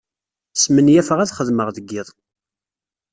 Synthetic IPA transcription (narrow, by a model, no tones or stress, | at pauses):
smənjæfəʁæθχəðməʁðəɡːɪðˤ